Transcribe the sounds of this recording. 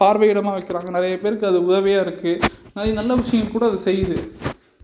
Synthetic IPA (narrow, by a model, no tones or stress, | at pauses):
paːɾʋɐɪɽɐmaːʋɐɪkːɪɾaːŋɡɐnɪɾɐjɐpeːɾɯkːɯɐðɯʊðɐʋɪjaːɪɾɯkːɯnalinɐlːɐʋɪʂɐjɐ̃mkuːɽɐɐðɯsɛjːðɯ